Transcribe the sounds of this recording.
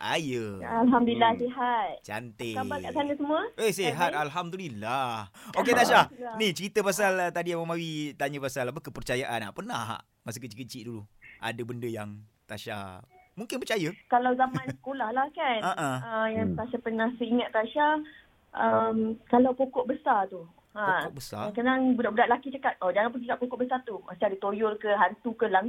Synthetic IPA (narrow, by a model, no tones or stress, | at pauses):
ʔa̰jəalɦamdulilahseɦat̪̚t͡ʃa̰nt̪eabaaʔsanəsəmũəʔehseɦat̪̚alɦamdulilahoket̪aʃaanit͡ʃəɾit̪əpas̬alt̪adiawamawit̪aɲəpasalap̬əkəpərt͡ʃajaʔana̰ʔpəna̰ɦa̰ʔ | mas̬əkət͡ʃəkət͡ʃiʔduluʔa̰dabəndəjaŋ | t̪aʃa̰muŋkɪnpərt͡ʃajəkalawzamãnsə̥kolahlahkanəʔaəjaŋt̪aʃapənãhsəiŋat̪̚t̪aʃa | ʔəmkalawpokɔʔ̚bəsart̪u | ãʔ̚bəsa̰kanaŋbudaʔbudaʔlakit͡ʃəkat̪̚ʔɔd͡ʒaŋãnpəɡikaʔpokɔʔ̚bəsart̪umasadit̪ojolkəɦant̪ukəlaŋ